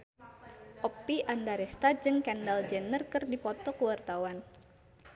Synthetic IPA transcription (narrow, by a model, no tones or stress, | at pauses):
ʔɔpːiʔandaɾɛst̪ad͡ʒɨŋkɛndald͡ʒɛnərkɨrdipɔt̪ɔkəwart̪awan